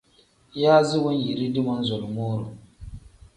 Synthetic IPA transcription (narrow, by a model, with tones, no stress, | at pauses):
jaː˦zɪ˦wʊ˦n˦ji˨ɾi˦dɨ˦mɔ˦n˦zɔ˨lmoː˦ɾo̰˨